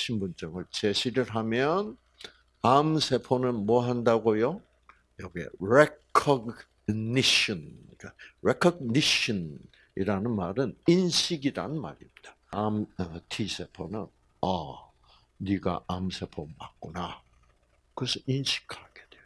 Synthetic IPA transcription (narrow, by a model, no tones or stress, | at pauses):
ɕʰimbunt͡ɕʌŋɯɭt͡ɕe̞ɕʰiɾɯɾɦamjʌn | amsʰe̞pʰonɯnmwʌɦandaɡojo | jʌɡiḛɾekʰʌɡ | niɕʌnkaɾekʰʌɡ̚niɕʌn | iɾanɯnmaɾɯninɕʰiɡiɾanɯnma̰ɾimɲid̥ḁ | amtʰisʰe̞pʰonɯn | ʌ | niɡa̰ʔamsʰe̞pʰomak̚k͈una | kɯesʰʌinɕʰi̥kʰaɡ̥e̞d̥wejo